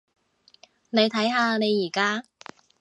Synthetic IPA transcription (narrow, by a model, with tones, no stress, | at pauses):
ne˨˧jt̪ʰɐ˨˥jɦaː˧ne˨˧jːiː˨˩kaː˥